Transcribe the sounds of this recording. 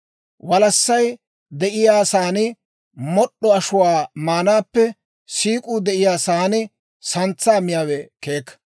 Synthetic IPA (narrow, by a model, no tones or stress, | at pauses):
wɐlɐsːɐj | d̪ɛʔɪjaːsaːnɪ | mɔɗːɔɐʃʊwaːmaːnaːpːɛ | siːkʼud̪ɛʔɪjaːsaːnɪ | sɐnt͡sːaːmɪjaːwɛke̞ːkːɐ̥